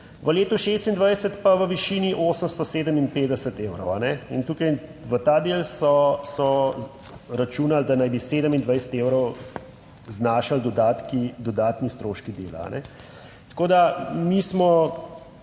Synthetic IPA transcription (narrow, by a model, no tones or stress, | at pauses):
ʋəleːt̪uʃeːst̪ind̪ʋajsət̪paʋəʋiʃiːniʔoːsəmst̪ɔseːd̪əminpeːd̪ɛsət̪eːwɾɔwa̰nɛint̪uːkajʋət̪aːd̪eːlsɔsɔ | ɾat͡ʃuːnald̪anajbiseːd̪əmind̪ʋajsə̥t̪eːwɾɔw | znaːʃald̪ɔd̪aːt̪kid̪ɔd̪aːt̪nist̪ɾoːʃkid̪eːla̰a̰nʔɛ̰ | t̪ḁkoːd̪amismɔ